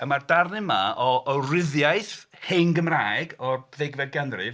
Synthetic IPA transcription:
əmardarnɪmaɔɔrɪðjaɨθ | henɡəmraːjɡɔbðɛɡvɛdɡanrɨv

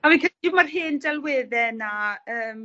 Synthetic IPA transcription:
avikʰəɪmarɦɨndɛlˠwɪːðɛnaəːm

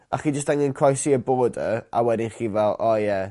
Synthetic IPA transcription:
aχid͡ʒəstɛŋɪnkʰajsiəboːdəawɛdɪnχiːvɛlˠɔjɛ

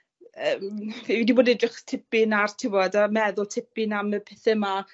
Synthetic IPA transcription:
əmviidiboːdɛdrɪχtʰɪpɪnartʰɪwɔdamɛðʊlˠtʰɪpɪnaməpʰɪθɛma

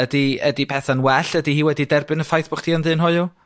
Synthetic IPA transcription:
ədiədipʰɛθanwɛɬədihiːwɛdidɛrbɨnəfajθb̥ɔχtʰiːənðɨːnɦʊɨʊ

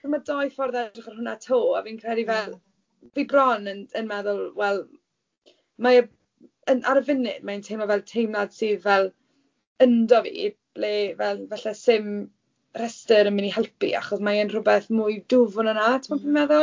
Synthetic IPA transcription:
kəmadɔjfɔrðɛdrɪχarhʊnatʰoːa̰viːnkʰrɛdivɛlˠ | vibrɔnənənmɛðʊlˠwɛlˠ | maə | ənʔaɾəvɪnɪdmaəntʰejmɔvɛlˠtʰejmlad̥siːðvɛlˠ | əndɔvḭb̥leːvɛlˠvɛɬɛsɪm | r̥ɛstəɾəmɪniɦɛlˠpḭʔa̰χɔsmaənrʊbɛθmujdʊvʊnənatʰmɔpʰimɛðʊlˠ

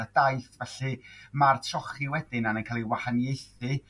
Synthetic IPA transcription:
ədajθvɛɬɨmartʰrɔχiwɛdɪnanənkʰaːlˠiwahanjejθɨ

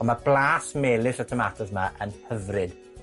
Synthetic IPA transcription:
ɔmablˠaːsmeːlˠɪɬɔtʰɔmatʰɔsmaʔənhəvrɨd̥

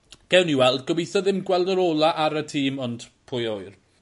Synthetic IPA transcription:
ɡ̥ɛwniwɛlˠdɡɔbijθɔðɪmɡwɛlˠdəɾoːlˠaʔaɾətʰiːmɔndpʰʊjɔjr

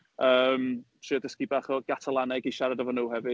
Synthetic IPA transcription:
əːmtriːɔdəskibaːχɔɡ̥atʰalˠanɛɡiʃaɾadavɔnuːhɛvɨ

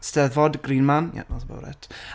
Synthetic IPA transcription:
stɛðvɔdɡriːnmanja̰nɔsbə̰wɾɛ̰tʰ

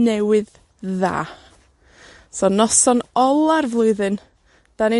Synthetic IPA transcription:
nɛwɨð | ða̰ː | sɔnɔsɔnɔlˠarvlˠʊɨðɨn | d̥ani

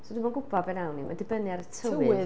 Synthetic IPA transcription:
sɔdumanɡʊbɔbɛnawnimadɪbənjaɾətʰəəɨɨ

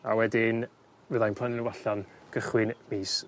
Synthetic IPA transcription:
a̰wɛdɪn | vəðajnpʰlˠənɪnəwaɬanɡ̥əχwɪnmiːs

